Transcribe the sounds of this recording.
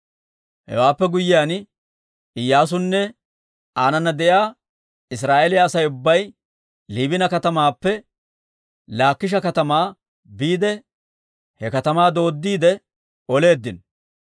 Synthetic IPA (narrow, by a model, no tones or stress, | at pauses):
hɛ̰waːpːɛɡʊjːɪjaːn | ɪjːaːs̬ʊnːɛ | aːnɐnːɐd̪ɛʔjaː | ɪs̬ɾaːʔelɪjaːsɐjʊbːɐj | liːbɪnɐkɐt̪ɐmaːpːɛ | laːkːɪʃ̬ɐkɐt̪ɐmaː | biːd̪ɛ | hɛkɐt̪ɐmaːd̪o̞ːd̪ːiːd̪ɛ | ɔle̞ːd̪ːɪn